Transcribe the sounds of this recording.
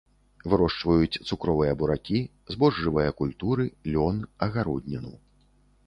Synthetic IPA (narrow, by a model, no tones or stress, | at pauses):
vɨɾɔʂt͡ʂvɐjut͡sʲt̪sukɾɔvɨjɐbuɾakʲi | zbɔʐːɨvɨjɐkulʲt̪uɾɨlʲɔnɐɣaɾɔd̪ʲnʲɐnṵw